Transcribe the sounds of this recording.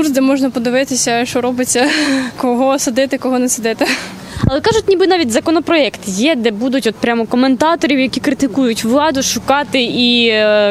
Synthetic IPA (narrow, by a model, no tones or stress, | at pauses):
kursd̪ɛmɔʒnɐpɔd̪ɪʋɪt̪ɪsʲɐʃt͡ʃɔɾɔbɪt͡sʲːɐkɔɦɔsɐd̪ɪt̪ɪkɔɦɔnɛsɐd̪ɪt̪ɪ | ɐlˠɛkɑʒʊtʲnʲibɨnɑʋʲitʲzɐkɔnɔpɾɔɛkt̪jɛd̪ɛbud̪ʊtʲɔt̪̚pɾʲamɔkɔment̪ɑt̪ɔɾʲiwjɐkʲikɾɪt̪ɪkujʊtʲʋlˠɑd̪ʊʃʊkɑt̪ɪi